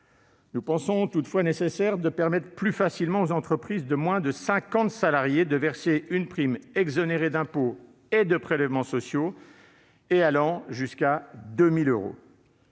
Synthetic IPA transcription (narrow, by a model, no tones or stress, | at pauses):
nupɑ̃sɔ̃t̪ut̪fwanesesɛʁd̪əpɛʁmɛt̪χəplyfasilmɑ̃ozɑ̃t̪χəpχizd̪əmwɛ̃d̪əsɛ̃kɑ̃t̪salaʁjed̪əvɛʁseynpχimɛɡzɔneʁed̪ɛ̃po | ed̪əpχelɛvmɑ̃sɔsjo | ealɑ̃ʒyskad̪ømiløʁo̰